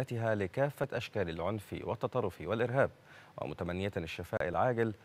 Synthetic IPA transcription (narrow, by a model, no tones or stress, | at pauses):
æt̪ɪɦalɪkaːfːaʔaʃkaːlɪlʕʊnfḭwɪt̪ːɑt̪ˤɑrˤːʊfiwalʔɪɾɦaːb̚ | wɪ̰mʊ̰t̪amanːɪjaɪʃːɪfa̰ːʔɪlʕaːɡɪl